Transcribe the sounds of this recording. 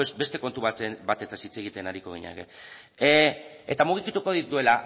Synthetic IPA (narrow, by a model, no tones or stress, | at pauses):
sbe̞st̪e̞ko̞nt̪uβaebat̪et͡sasit͡se̞ɣ̞it̪e̞naɾiko̞ɣ̞ḭɲa̰ɣḛ | et̪amuɣ̞ikit̪uko̞ðid̪ue̞la